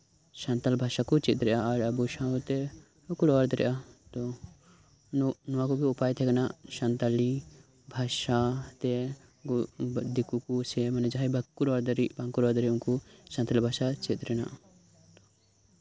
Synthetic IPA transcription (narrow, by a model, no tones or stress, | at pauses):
sant̪albʱaʃakut͡ʃit̪ɾɛʔaːɾəbusãut̪ɛ | ukuɽɔɔɾd̪ɾɛ̰ʔat̪ɔ | nɔwakubiupajt̪ʰɛɡanaʃant̪ali | bʱaʃat̪ɛ | ɡd̪ikukusɛmanɛd͡ʒaɦɛbakːuɾɔɾd̪ɾibãŋkuɾɔɾd̪ɾɛunkusant̪albʱasat͡ʃit̪ɾɛna̰ʔ | t̪ɔ